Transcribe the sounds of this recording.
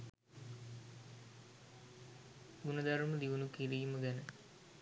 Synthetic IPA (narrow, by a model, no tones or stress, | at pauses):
ɡunəd̪aɾməd̪iʋunukilijməɡænə